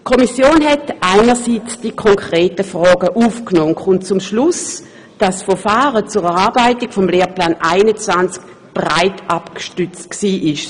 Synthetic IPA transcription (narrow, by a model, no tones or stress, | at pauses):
kʰomisjoːnɦɛtaɪnəʁsiːt͡sd̥ikʰɔŋkʁeːtəfʁɔːɡəʔuːfknoːnkχunt͡sumʃlʊs | d̥asfɛɐfaːʁət͡suʁɛʁaɐbaɪtiɡ̥fɔmleːɐplaːnʔaɪnət͡svant͡sk | b̥ʁaɪtapkʃtʏt͡stksiːʔɪʃ